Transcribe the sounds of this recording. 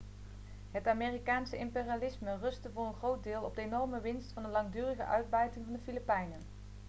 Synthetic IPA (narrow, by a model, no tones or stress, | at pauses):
ɦətaːmeːrikaːnsəɪmpeːrialɪsmərɵstəvʊːrənχrowt̚dɪːlˠɔb̚dəejnɔɹməʋɪnstfɑndəlɑŋdyːrəχə̰ʔœɥd̚bɛjtɪŋvɑndəfilipɛjnən